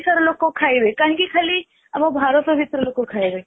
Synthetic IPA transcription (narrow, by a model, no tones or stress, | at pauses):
səɾloːkokʰaːiʋekaːɦĩkikʰɐli | ɐmɐbʱaːɾət̪əʋʱit̪ɾəloːkokʰaiʋe